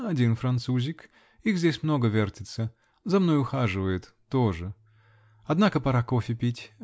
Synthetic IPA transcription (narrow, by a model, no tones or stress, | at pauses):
ɐdʲinfɾɐnt̪suzʲɪk | iɣzʲdʲesʲmno̞ɡəvʲertʲɪt̪sə | zɐmno̞jʊxaʐɨvəjɪt̪ː | oʐɨ | ɐd̪nakəpɐɾako̞fʲɪpʲitʲ